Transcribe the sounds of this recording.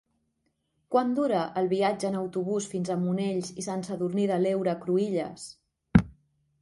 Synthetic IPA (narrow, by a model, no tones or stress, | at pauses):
kwand̪uɾəʔəlˠβiad͡ʒəːnəwt̪uβ̞usfinzəmuneʎsisɛnsəðurniðəlewɾəkɾuiʎə̰s